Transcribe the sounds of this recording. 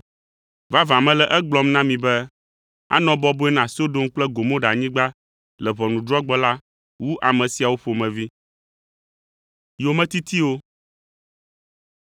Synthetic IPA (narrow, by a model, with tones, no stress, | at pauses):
va˦vã˨mɛ̃˦lɛ˨ʔɛ˦ɡ͡blɔ˦mnã˦mĩ˨bɛ˦ | a̰˦nɔ̃˨bɔ˦bo˦ɛ˦nã˨so˦do˦mk͡plɛ˦ɡo˨mõ˦ɖa˨ɲĩ˦ɡ͡ba˦ | lɛ˨βɔ˨nũ˨d̪ɾɔ˦ɡ͡bɔ˦la˦ | wu˦ʔa˨mɛ̃˨si˨a˨wo˦ɸo˨mɛ̃˨vi˦ | jo˨mɛ̃˦t̪i˦t̪i˦wo˦